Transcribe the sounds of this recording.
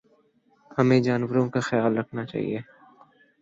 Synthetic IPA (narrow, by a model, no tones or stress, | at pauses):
hɐmẽd͡ʒaːnwəɾõkaxɪjaːlɾɐkʰnat͡ʃa̰ːɦḭeː